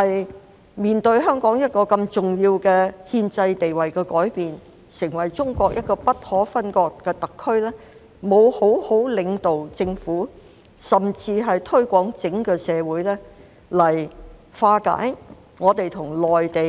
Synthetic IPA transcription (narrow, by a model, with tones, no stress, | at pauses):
hɐ˨j | miː˨nt̪ɵ˧ɥɦœː˥ŋkɔː˨˥ŋjɐ˥t̚kɔː˧kɐ˧mt͡sʊ˨ŋjiː˧wkɛː˧hiː˧nt͡sɐ˧jt̪e˨jwɐ˨jkɛː˧kɔː˨˥jpiː˨n | sɪ˨˩ŋwɐ˨˩jt͡ʃʊ˥ŋkʷɔː˧k̚jɐ˥t̚kɔː˧pɐ˥t̚hɔː˨˥fɐ˥nkɔː˧kːɛː˧t̪ɐ˨kʰːɵ˥ɥlɛː˥ | mo˨˧who˨˥who˨˥wlɪ˨˧ŋt̪o˨wt͡sɪ˧ŋfuː˨˥ | sɐ˨mt͡siː˧ɦɐ˨jt̪ʰɵ˥ɥkʷɔː˨˥ŋt͡sɪ˨˥ŋkɛː˧sɛː˨˧wuː˨˥jlɛː˥ | lɐ˨˩jfaː˧ka̰ː˨˥j | ŋɔː˨˧t̪e˨jt̪ʰʊ˨˩ŋlɔː˨jt̪e˨